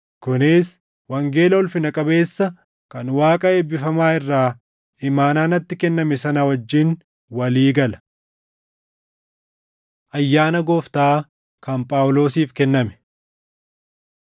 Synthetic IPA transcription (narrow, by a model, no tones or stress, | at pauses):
kʊnɪs | wɐŋɡe̞ːlɐɔlfɪnɐkʼɐbe̞ːsːɐ | kɐnwaːkʼɐeːbːɪfɐmaːɪrːaː | ɪmaːnaːnɐt̪ːɪkɛnːɐmɛsɐnɐwɐd͡ʒːɪn | wɐliːɡɐlɐ̥ | ʔɐjːaːnɐɡoːft̪aː | kɐmpʼaːwʊlo̞ːsiːfkɛnːɐmɛ̥